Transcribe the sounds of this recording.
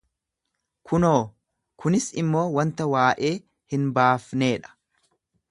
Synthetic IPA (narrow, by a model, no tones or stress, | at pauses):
kʰʊnoː | kʰʊnɪsɪmːo̞ːwɐnt̪ɐwaːʔe̞ː | hɪnbaːfne̞ːᶑɐ̥